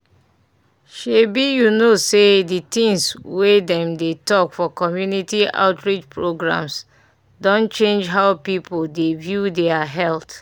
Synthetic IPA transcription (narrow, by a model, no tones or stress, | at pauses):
ʃebijunoseditĩŋswedɛ̃mdetɔkfɔkɔmjunitia̰ʊtɹid͡ʒpɹoɡɹã̰ms | dɔ̃nt͡ʃẽnd͡ʒɦaʊpipoldevjudeaɦɛlt